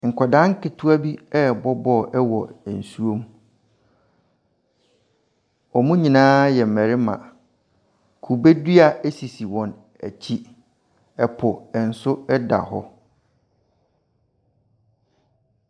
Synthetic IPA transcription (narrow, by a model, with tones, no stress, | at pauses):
ŋ̩˨kʷʰɔ˨dã˦ŋ̩˦kɪ˨tʰu˦a˦bi˦ɛ˦bɔ˦bɔ˦˨ʔɛ˦wɔ˨n̩˨su˦o˦m˦ | ɔ˨mũ˦ɲĩ˨nãː˦jɛ˨m̩˨mæ˨ɾɪ˦mã̰˨ | kʰu˨be˦dɥa˨e˦si˨si˨wɔ̃˨n | æ̰˨t͡ɕʰi˦ | ɛ˨pʰʊ˨ɛ˨n̩˨sʊ˦ɛ˦da̰˨ɦɔ˦